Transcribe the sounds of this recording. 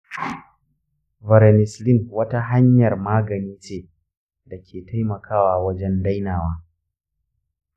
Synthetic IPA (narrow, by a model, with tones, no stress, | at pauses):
vɐ˨ɾɛ˨nɪ˨slɪ˦nwɐ˦ta˦ɦa˦ɲjɐ˨rmaː˦ɡɐ˨niː˦t͡ʃeː˦ | da˨kʲʰeː˨ta˦jmɐ˨kʰaː˦waː˨wɐ˦d͡ʒɛ˦nda˦jnaː˨waː˦